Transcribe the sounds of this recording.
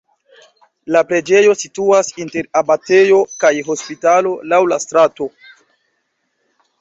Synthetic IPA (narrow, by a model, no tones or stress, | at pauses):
lapɾe̞d͡ʒe̞jo̞situasinte̞ɾabate̞jo̞kajɦo̞spitalo̞lawlastɾato̞